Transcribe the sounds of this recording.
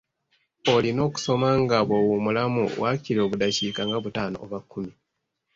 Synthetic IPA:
olino̞ːku̥so̞maŋɡaβowumulamṵwaciɾo̞βudacikaŋɡaβutaːno̰ːβakʰːumi

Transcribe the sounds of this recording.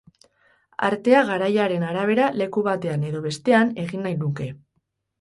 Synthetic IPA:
a̰ɾt̪e̞aɣaɾajaɾe̞naɾaβ̞e̞ɾale̞kuβ̞at̪e̞ane̞ðo̞β̞e̞st̪e̞ane̞ɣinːajnuke̞

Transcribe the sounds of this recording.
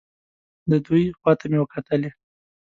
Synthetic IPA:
d̪əd̪ujxwɑt̪amewəkʰat̪əle

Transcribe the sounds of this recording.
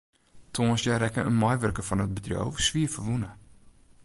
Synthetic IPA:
tʰoːnsjaɾɛkəʔə̰nmɔjʋərkəfɔnət̚bədrjo̰wvəsʋiəfərʋunə

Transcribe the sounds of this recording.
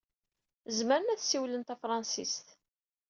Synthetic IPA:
zməɾənæθsiwlənt̪æfɾˤɑnsḭst̪

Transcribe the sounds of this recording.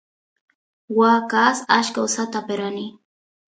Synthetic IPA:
waːkasaʃkaosat̪apeɾani

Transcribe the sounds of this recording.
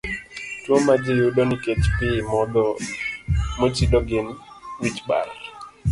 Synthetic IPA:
twomad͡ʒɪjuɗɔnɪket͡ʃpɪmɔd̪ɔ | mot͡ʃidɔɡɪn | wit͡ʃba̰l

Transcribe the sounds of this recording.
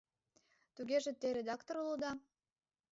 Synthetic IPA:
t̪uɣeʒĕt̪eɾed̪ɑkt̪oɾulud̪ɑ

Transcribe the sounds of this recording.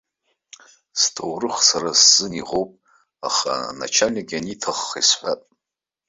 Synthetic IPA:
stʰowrɨχsaɾasz̥ɨniʁowpʼ | a̰χa̰na̰t͡ʃʰalnaɡʲanitʰaχːisħʷapʼ

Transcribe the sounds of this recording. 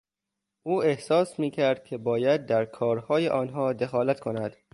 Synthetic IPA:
ʔuːe̞hsɒːsmiːcʰæɾd̪̚cʲʰe̞bɒːjæd̪̚ːæɾkʰɒːɾhɒːjeʔɒːnɦɒːd̪e̞xɒːlæt̪kʰonæd̪̥

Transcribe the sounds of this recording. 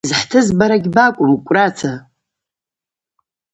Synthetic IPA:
zħtʰɨzbaɾaɡʲbakʷʼʊmikʷʼrat͡sʰa

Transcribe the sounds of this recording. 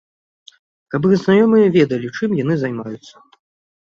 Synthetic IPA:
kap̬ɨɣznajɔmɨjɐvʲɛd̪ɐlʲit͡ʂɨmjan̪ɨzajmajut̪sːɐ̥

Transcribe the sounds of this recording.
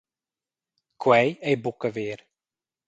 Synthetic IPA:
kʰwɛjɛjbukəʋɪːr

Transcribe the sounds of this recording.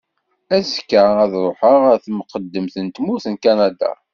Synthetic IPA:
æzkːaæðɾˤoħəʁæɾθmqəd̪ːəmθənt̪muθənkanad̪a̰

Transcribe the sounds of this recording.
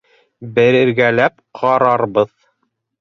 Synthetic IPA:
bɘ̆ɾɘ̆ɾɡælæp̚qʰɑɾɑɾβɤð

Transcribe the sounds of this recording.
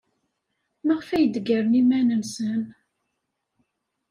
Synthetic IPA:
məʁfæjəd̪əɡəɾənimænənsən

